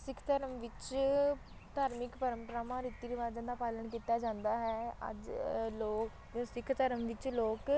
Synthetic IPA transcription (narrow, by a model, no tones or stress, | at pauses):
sɪkʰt̪əɾəmʋɪt͡ʃ | t̪aːɾmɪkpəɾəmpəɾaːmãːɾɪt̪ːiːɾɪʋaːd͡ʒãːd̪aːpaːlənkiːt̪aːd͡ʒãːnd̪aːɦɛːə̰d͡ʒloːk | d͡ʒõːsɪkʰt̪əɾəmʋɪt͡ʃloːk